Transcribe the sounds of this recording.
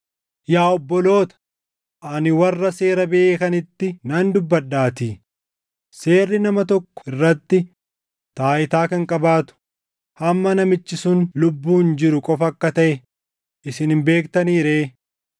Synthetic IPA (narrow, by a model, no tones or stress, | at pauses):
jaːɔbːɔlo̞ːt̪ɐ̥ | ʔɐnɪwɐrːɐse̞ːɾɐbeːkɐnɪt̪ːɪnɐnd̪ʊbːɐdːaːt̪iː | se̞ːrːɪnɐmɐt̪ɔkːɔ̥ɪrːɐt̪ːɪ | t̪aːʔɪt̪aːkɐŋkʼɐbaːt̪ʊ̥ | hɐmːɐnɐmɪt͡ʃːɪsʊnlʊbːuːnd͡ʒɪɾʊkʼɔfɐkːɐt̪ɐʔɛ | ʔɪsɪnhɪmbe̞ːkt̪ɐniːɾeː